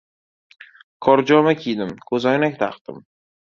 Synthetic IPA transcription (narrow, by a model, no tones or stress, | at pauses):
kʰɒɾd͡ʒɒmakʲʰijd̪ɪmkʰɵzɒjnakʲt̪ʰa̰qd̪ɪ̰m